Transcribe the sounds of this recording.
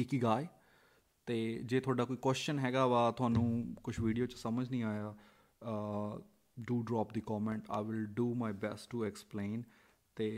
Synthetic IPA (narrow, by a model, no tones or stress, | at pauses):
ikiːɡaːj | t̪eːd͡ʒeːt̪ʰʊaːɖaːkoːikwɛːst͡ʃənɦɛːɡaːʋaːt̪ʊɦaːnũːkʊt͡ʃʰʋiːɖijoːt͡ʃə̥səməd͡ʒnĩːaːjaː | ɖuːɖɾɔːp̚d̪ikɔːmɛ̃ɳʈa̰ːɪʋɪlɖuːmaːɪbɛsʈːuɛksplẽːn | t̪eː